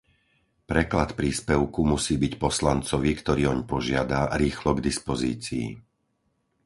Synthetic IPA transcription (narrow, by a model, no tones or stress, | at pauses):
pɾɛklat̪pɾiːspɛʊkumusiːbicpɔslant͡sɔʋikt̪ɔɾiːɔɲpɔʒɪad̪aɾiːxlɔɡd̪ispɔziːt͡sḭː